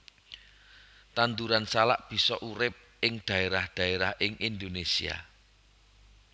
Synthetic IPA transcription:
t̪and̪uɾansalaʔb̥i̤sɔʔuɾɪp̚ʔɪŋd̪̥ä̤eɾahd̪̥ä̤eɾahʔɪŋʔind̪onesḭa̰

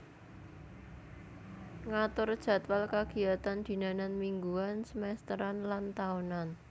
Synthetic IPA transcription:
ŋat̪ʊrd̥ʒ̥a̤t̪walkaɡ̥i̤at̪and̪̥i̤nananmiŋɡuansəmɛst̪əɾanlant̪aunan

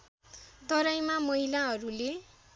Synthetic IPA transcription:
t̪ʌɾajmamʌɦilaɦʌɾule

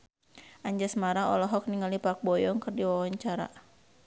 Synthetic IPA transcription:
ʔaɲd͡ʒasmaɾaɔ̰lɔɦɔk̚niŋalipak̚bɔjɔŋkɨrdiwawaɲt͡ʃaɾa̰

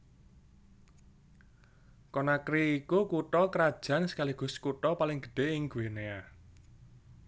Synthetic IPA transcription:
kɔnakɾiːkukuʈɔkəɾad̥ʒ̥ä̤nsə̥kaliɡ̥ṳskuʈɔpalɪŋɡ̥ə̥ɖ̥e̤ɪŋɡwenea

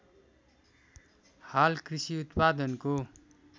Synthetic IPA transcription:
halkrisiut̪pad̪ʌnko

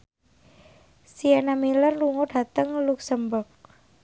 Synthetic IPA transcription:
sianamilərluŋoɖ̥a̤t̪əŋluksəmbɔk̚

